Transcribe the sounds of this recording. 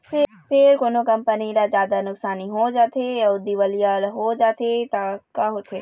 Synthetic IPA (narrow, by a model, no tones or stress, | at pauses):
pʰɪ | pʰɪɾkoːnokɐ̃mpəniɾazjaːd̪anʊksaːniɦod͡ʒaːt̪ʰejaʊd̪iʋəlijalɦod͡ʒaːt̪ʰet̪akaɦot̪ʰeː